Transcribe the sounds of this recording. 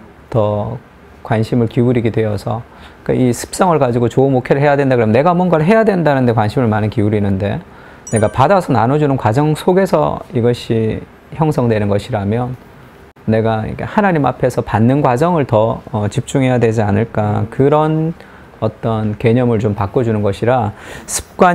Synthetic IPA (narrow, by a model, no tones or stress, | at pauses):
tʌ | kwanɕʰimɯɭkiuɾiɡidwe̞ʌsʰʌ | k͈a̰ʔisʰɯ̥p̚s͈ʌŋɯɭkad͡ʑiɡot͡ɕoɯnmokʰeɾɯɭɦe̞jadwendakɯɾʌmne̞ɡamwʌnɡaɾɯɦe̞jadwe̞nndanɯnde̞k̬wanɕʰimɯɭmanɯnkiuɾinɯnde̞̰ | ne̞ɡapadasʰʌnanod͡ʑunɯnkwad͡ʑʌŋsʰoɡe̞sʰʌ̰iɡʌɕʰi | çjʌŋsʰʌŋdwe̞nɯnɡʌɕʰiɾamjʌnː | e̞ɡaḭkʰḛhanaɲima̰pʰe̞sʰʌpanːɯnɡwad͡ʑʌŋɯɭtʌʌt͡ɕip̚t͡ɕ͈uŋɦe̞jadwe̞d͡ʑianɯɭk͈akɯɾʌn | ʌt͈ʌnke̞ɲʌmɯɭt͡ɕompak͈ʌd͡ʑunɯnɡʌɕʰiɾasʰɯ̥p̚k͈wa